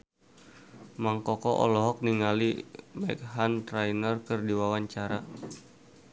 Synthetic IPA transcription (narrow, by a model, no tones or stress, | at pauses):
maŋkɔkɔʔɔ̰lɔɦɔk̚niŋalimajk̚ɦant̪ɾajnərkɨrdiwawaɲt͡ʃaɾa